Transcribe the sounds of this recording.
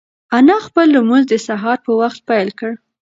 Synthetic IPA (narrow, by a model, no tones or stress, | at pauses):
anɑxpəlːumuzd̪əsaɦɑɾpəwaxt̪̚pajlkəɽ